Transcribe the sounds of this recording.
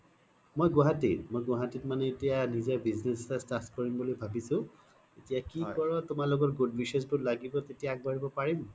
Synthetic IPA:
mojɡʊɦatitmojɡɔɦatit̚manɛetijanizebiznesastaskɔɹimbulɔbʱabisʊ̃ | etijakikɔɹɔtʊmalʊɡɔtɡudbʱiʃesbutlaɡibɔtetijaːɡ̚baɹibɔpaɹim

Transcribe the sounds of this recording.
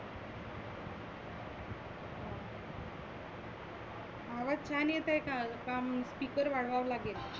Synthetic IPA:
aʋat̪̚t͡ɕʰanjet̪ajkalkamspikəɾʋaɽʋawlaɡel

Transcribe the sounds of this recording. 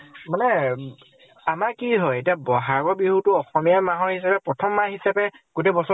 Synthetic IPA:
manɛ | amakiɦɔjetiabɔɦaɡɔɹbiɦutʊɔxɔmijamaɦɔɹhisapɛpɹɔtʰɔmːaɦisapɛɡ̥otebɔsɔ

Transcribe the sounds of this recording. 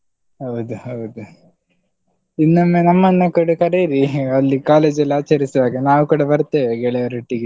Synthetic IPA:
ɦɐwud̪uhɐwd̪u | inːɐmːenɐmːɐnːɐkɐɽukɐɾeːɾiɐlːikaːleːd͡ʒɐlːiaːt͡ʃɐɾisɐʋaːɡenaːʋukuːɽɐbɐɾt̪ːeːʋeɡɛɭɛjɐɾeʈːiɡe

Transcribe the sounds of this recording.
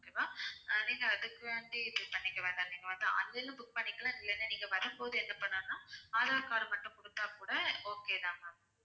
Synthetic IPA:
okeʋãːnĩːŋɡɐɐðɯkːɯʋeːɳɖibʊk̚pɐɳːɪkːɐʋeːnd̪aniːŋɡɐʋɐnd̪aɐ̰lːɐlːɯ̃bʊk̚pɐɳːɪkːɐlãːɪlːɛnːeniːŋɡɐʋɐɾɯmpoːðɯɛnːɐpɐɳːãːnːãːɐðaːkaːɾɯmɐʈːʊ̃kɔɽɯt̪ːaːkuːɽɐoːkeːðãːŋɡaː

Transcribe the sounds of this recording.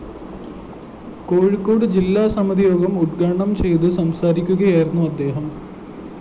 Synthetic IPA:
ko̞ːɻikːoːɽɨd͡ʑilːaːsɐmɐd̪ijo̞ːɡɐmuʈɡaːɳɐmt͡ɕe̞jt̪ɨsɐmsaːɾikʲːuɣɐjaːjiɾunːuɐd̪ːe̞ːɦɐm

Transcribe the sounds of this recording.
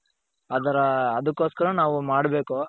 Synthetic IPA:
ɐd̪ɐɾɐːd̪ɐkːo̞ːskɐɾɐnaːʋumaːɽbe̞ːko

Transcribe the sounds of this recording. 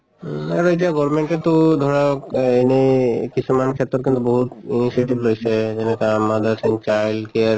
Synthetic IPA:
ɛɾoeʈiaɡɔɾmeɳʈet̪od̪ʱɔɾaenekit͡ɕʰumankʰet̪ːɔɾkint̪uboɦut̪inisieʈiblojsʰed͡ʒenekeamad̪asʰent͡ɕajlkeɾ

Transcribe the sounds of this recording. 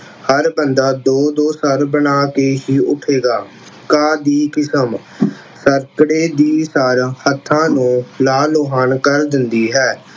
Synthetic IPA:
həɾbənd̪aːd̪oːd̪oːsəɾbənaːkeːɦiːʔʊʈʰeːɡaː | kaːd̪iːkɪsəm | səɾkəɽeːd̪iːsəɾhət̪ʰːãːnũːlaːloːɦaːnkəɾd̪ɪnd̪iːɦɛː

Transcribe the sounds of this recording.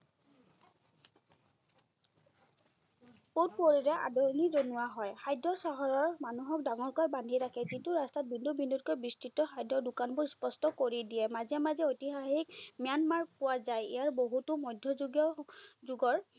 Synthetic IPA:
pot̚poɹiɹɛʔa̰dɔɹnizonʊwaɦɔjxajdɹɔsaɦɔɹɔɹmanuɦɔk̚daŋɔɹkaɹbandʱiɹakʰɛzintʊɹastat̚bindubindut̚kɔjbistitɔxajdɔdʊkanbʊɹspɔstɔkoɹidijɛmazɛmazɛotiɦaxik̚mijanmaɹpʊwazajḭjaɹboɦutʊmɔjdʱjɔzuɡjɔzuɡɔɹ

